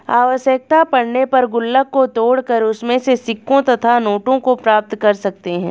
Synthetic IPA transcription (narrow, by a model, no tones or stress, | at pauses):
aːʋəʃjək̚t̪apɐɽnepɐɾɡʊlːəkːot̪oːɽkɐɾʊsmẽsesɪkːõt̪ɐt̪ʰanoːʈõkopɾaːp̚t̪kɐɾsɐk̚t̪eɦɛ̰̃ː